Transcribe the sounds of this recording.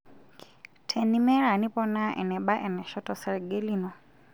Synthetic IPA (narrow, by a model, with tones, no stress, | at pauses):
tʰɛ˨ni˨˦mɛ˦ɺa˨ni˦pɔ˦na˦ʔɛ̰˨nɛ˨ɓa˦ʔɛ˨nɛ˨ʃɔ˦tɔ˨sɛ˨ɺɡe˦li˦nɔ˨